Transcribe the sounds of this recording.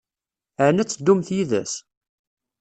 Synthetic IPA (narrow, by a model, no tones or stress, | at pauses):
əʕnæt͡sːd̪ːumθjiðæ̰s